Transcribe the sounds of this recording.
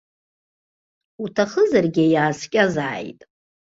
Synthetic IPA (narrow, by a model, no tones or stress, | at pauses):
utʰaχəzarɡʲejaːskʲʼazaːjtʼ